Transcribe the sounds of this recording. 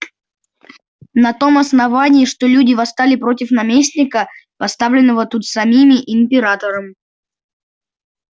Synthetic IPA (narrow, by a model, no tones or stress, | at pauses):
nɐt̪o̞mɐsnɐvanʲɪːʂt̪olʲudʲɪvɐst̪alʲɪpɾo̞tʲɪfnɐmʲesʲnʲɪkəpɐst̪avlʲɪnːəvət̪ut̪sɐmʲimʲɪʔɪmpʲɪɾat̪əɾəm